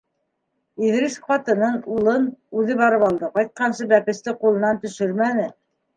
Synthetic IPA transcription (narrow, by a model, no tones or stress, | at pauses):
iðɾisfɑt̪ɤ̆nɤnulˠɤnʉðɘβɑɾɤpɑlˠd̪ɤqɑjt̪̚qɑnsɤbæpɘ̆st̪ɘqulˠɤ̆nɑnt̪ɵ̆ʃɘɾmænɘ